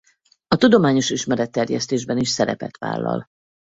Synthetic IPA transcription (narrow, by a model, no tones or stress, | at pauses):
ɒt̪ud̪o̞maːɲo̞ʃiʃmɛɾɛt̪ːɛrjɛ̰st̪eːʒbɛniʃsɛɾɛpɛt̪ʋa̰ːlːɒ̰l